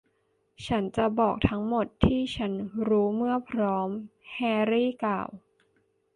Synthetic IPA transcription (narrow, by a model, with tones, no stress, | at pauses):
t͡ɕʰa˦˥nt͡ɕa˨˩bɔː˨˩k̚t̪ʰa˦˥ŋmo˨˩t̪ʰːiː˥˩t͡ɕʰa˦˥nɾuː˦˥mɯ˥˩ɐpʰɾɔː˦˥mhɛː˧ɾiː˥˩klaː˨˩w